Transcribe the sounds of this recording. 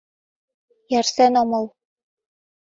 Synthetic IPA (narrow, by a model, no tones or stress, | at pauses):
jærsenomɤ̆l